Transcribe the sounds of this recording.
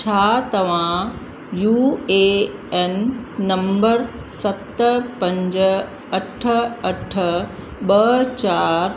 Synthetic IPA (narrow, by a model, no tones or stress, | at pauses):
t͡ɕʰaːt̪ɐʋ̤ã | juːeːɛnːɐ̃mbəɾ | sɐt̪pɐ̃ɲd͡ʑə | ɐʈʰəɐʈʰə | ɓɐt͡ɕaːɾ